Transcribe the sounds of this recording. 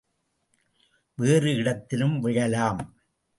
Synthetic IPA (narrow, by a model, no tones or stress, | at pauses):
ʋeːrɯɪɽɐt̪ːɪlɯmʋɪɻɐlaːm